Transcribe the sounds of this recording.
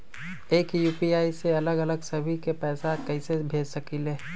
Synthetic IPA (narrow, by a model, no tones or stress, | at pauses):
eːkjuːpiaːiseɐləɡɐləɡsɐbʱikepɛːsakɐɪ̃sebʱeːd͡ʒsɐkileː